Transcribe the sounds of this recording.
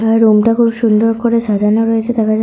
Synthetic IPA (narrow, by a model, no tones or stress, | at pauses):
aɾɾumʈakʰubʃund̪oɾkoɾeʃad͡ʑʱanaɾoet͡ɕʰet̪akad͡ʑ